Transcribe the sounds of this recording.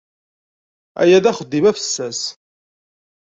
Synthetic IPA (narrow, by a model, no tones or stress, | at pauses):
æ̰jæðæχəd̪ːimæfə̥sːæs